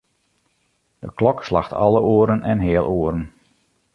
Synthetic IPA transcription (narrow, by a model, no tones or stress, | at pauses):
d̥əklɔkslaxtʰɑ̰lˠəoəɾənʔɛnɦɪːəlˠʔoːəɾən